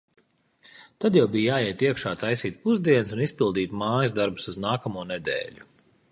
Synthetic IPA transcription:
t̪ad̪jawbijjaːjiɛt̪iɛkʃaːt̪ajsiːt̪̚puzd̪iɛnsunispilˠd̪iːt̪maːjazd̪aɾbusuznaːkamuɔnɛd̪ɛ̰ːlʲu

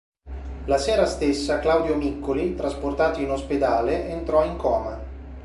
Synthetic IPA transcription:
lasɛːɾast̪esːaklawd̪jomikʰːolit̪ɾasport̪aːt̪oinosped̪aːleʔent̪ɾɔiŋkɔːma

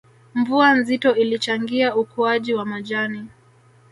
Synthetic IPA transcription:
ɱvuanzitɔilit͡ʃaŋɡiaukuaʄiwamaʄani

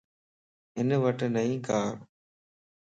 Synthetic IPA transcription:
ɦɪnʋəʈnəĩːkaːɾ

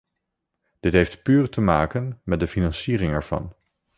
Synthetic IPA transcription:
d̥ɪtɦejftpyːrtəmaːkənmɛt̚dəfinɑnsiːrɪŋɛɹv̥ɑ̰n

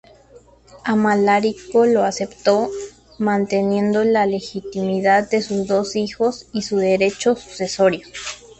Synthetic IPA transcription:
amalaɾikoloasept̪o | mãnt̪enje̞nd̪olalexit̪imiðaðːesuzd̪osixosisuðeɾe̞t͡ʃosu̥sesoɾjo

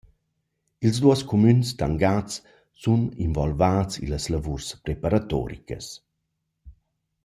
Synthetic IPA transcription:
ilsd̪uəskʰumynst̪aŋɡat͡s | sunḭnvɔlvaːt͡sḭləslavuɾspɾepaɾat̪ɔ̰ɾḭkə̰s

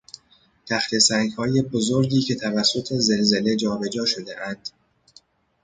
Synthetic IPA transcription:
t̪ʰæxt̪ʰe̞sæŋɡhɒːje̞bo̞zo̞ɾɟiːcʰe̞t̪ʰævæsːo̞t̪ʰe̞ze̞lze̞le̞d͡ʒɒːbe̞d͡ʒɒːʃo̞d̪e̞̰ʔænd̪̥

